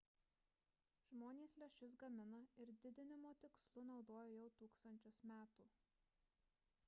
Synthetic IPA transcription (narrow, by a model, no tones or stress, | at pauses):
ʒmoːnʲeːslʲɛʃʲʊs̬ɡɐmʲɪnɐɪɾd̪ʲɪd̪ʲɪnʲɪmoːt̪ʲɪkslˠʊnɒʊd̪oːjoːjɛʊt̪uːkst̪ɐnʲt͡ʃʲʊsmʲæːt̪uː